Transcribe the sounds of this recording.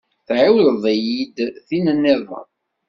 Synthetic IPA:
θʕiwləðˤæjid̪θinənːɪðˤɑ̰

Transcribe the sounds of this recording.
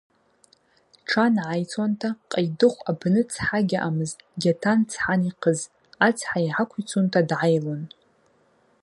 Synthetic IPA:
ʈ͡ʂʰanʕajt͡sʰantʰaqʼajdɨχʷabnɨt͡sʰħaɡʲaʔamɨzɡʲatʰant͡sʰħaniqʰəz | at͡sʰħaiʕakʷʰit͡sʰuntʰadʕajlon

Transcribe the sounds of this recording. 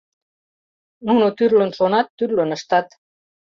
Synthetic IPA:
nunut̪yrlø̆nʃonɑt̪ːyrlønɤ̆ʃt̪ɑt̪

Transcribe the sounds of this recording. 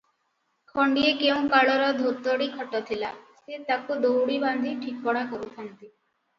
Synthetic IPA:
kʰɔɳɖiekeũkaɭɔɾɔd̪ʱot̪ɔɽikʰɔʈːat̪ʰilaset̪akod̪owɽiband̪ʱiʈʰik̚bɔɽakɔɾut̪ʰant̪i

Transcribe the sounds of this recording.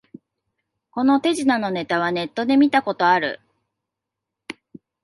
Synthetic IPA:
ko̞no̞t̪e̞ʑinano̞ne̞t̪aβ̞ane̞t̪ːo̞d̪e̞mʲit̪ako̞t̪o̞aɾɯ̟̰

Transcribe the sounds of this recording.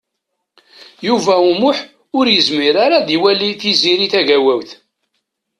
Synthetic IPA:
juvæumʊħ | ʊɾjəzmiɾaɾaðiwæliθiziɾiθæʝæwæwθ

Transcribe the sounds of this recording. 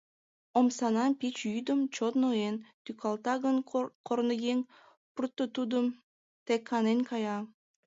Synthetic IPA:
omsɑnɑnpit͡ɕyjd̪ə̆mt͡ɕot̪noent̪ykʰɑlˠt̪ɑɡənkʰoɾnəjeŋ | purt̪ːət̪ud̪əm | t̪ekʰːɑnenʲkʰɑjɑ

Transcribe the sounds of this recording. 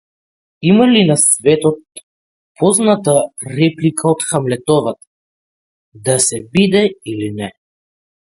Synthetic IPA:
imalinasvɛt̪ɔt̪̚ | pʰɔznat̪aɾɛplikʰaɔt̪xamlɛt̪ɔvat̪ḁ | d̪asɛbid̪ɛilinɛ

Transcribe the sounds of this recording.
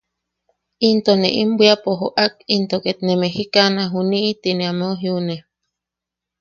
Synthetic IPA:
int̪onḛʔimbʷiapoɦoʔakint̪oket̪nemehikanaɦuniʔit̪ineamoɦiune

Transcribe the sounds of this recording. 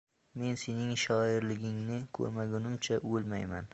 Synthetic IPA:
me̞nsenɪŋʃɒɪɾlɪɡʲɪŋnɪkʰɵ̰ɾmaɡʲʊnɪmt͡ʃʰaʔolmajman

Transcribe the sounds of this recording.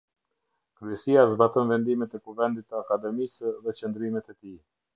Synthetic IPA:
kɾyɛsiazbat̪ɔnvɛnd̪imɛt̪ɛkuvɛnd̪it̪ːəakad̪ɛmisðɛt͡ʃənd̪ɾimɛt̪ɛt̪i

